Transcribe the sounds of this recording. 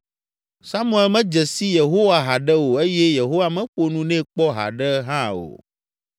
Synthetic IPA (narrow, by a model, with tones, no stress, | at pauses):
sa˦mũ˦ɛ˦lmɛ̃˦d͡ʒɛ˨si˦je˨ɦo˦wa˨ɦa˨ɖɛ˦wo˨e˦jɛ˦je˨ɦo˦wa˨mɛ̃˦ɸo˨nũ˦nɛ̃˦k͡pɔ˦ɦa̰˨ɖɛ˦ɦã˦o̰˨